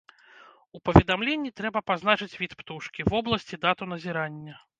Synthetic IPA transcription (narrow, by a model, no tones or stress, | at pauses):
upɐvʲɛd̪amlʲenʲːit̪ɾɛbɐpaznat͡ʂɨt͡sʲvʲit̪pt̪uʂkʲivɔblˠɐsʲt͡sʲid̪at̪un̪ɐzʲiɾanʲːɐ